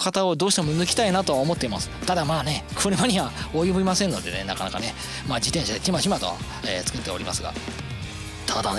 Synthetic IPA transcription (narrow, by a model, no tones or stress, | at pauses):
kat̪ao̞d̪o̞ːɕi̥t̪e̞monɯkʲi̥t̪ainat̪o̞aomo̞t̪ːeimasɨ̥t̪ad̪amaːne̞kʰoɾɯmaɲ̟iβaojɯbʲimasẽ̞nːo̞d̪e̞ne̞nakanakane̞ | maːd͡ʑit̪ẽ̞ɰ̃ɕad̪e̞k̪ʲimaɕimat̪o̰a̰ | eːt͡sɨ̥kɯ̟t̪ːe̞o̞ɾʲima̰sɨɡa̰ | t̪ad̪ad̪an